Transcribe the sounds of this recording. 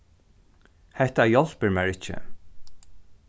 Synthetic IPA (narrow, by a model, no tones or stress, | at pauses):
hɛht̪ajɔl̥pɪɹmæɹɪt͡ʃɪ̰